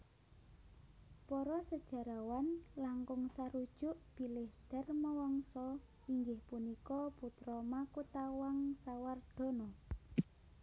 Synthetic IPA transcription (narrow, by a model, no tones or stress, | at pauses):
pɔɾɔsəd̥ʒ̥a̤ɾawanlaŋkʊŋsaɾud̥ʒ̥ʊʔb̥i̤lɪhd̪̥ɛ̤rmawɔŋsɔ | iŋɡɪhpunikɔput̪ɾɔmakut̪awaŋsaward̪̥ɔ̤nɔ